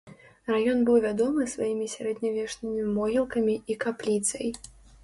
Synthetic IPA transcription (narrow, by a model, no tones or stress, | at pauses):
rajɔnbɨwvʲad̪ɔmɨsvajimʲisʲaɾɛd̪nʲavʲɛʂnʲɨmʲimɔɦʲilˠkɐmʲiikaplʲit̪sɐ̰j